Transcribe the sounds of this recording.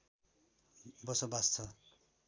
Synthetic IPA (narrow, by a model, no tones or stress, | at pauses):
bʌsʌbast͡sʰʌ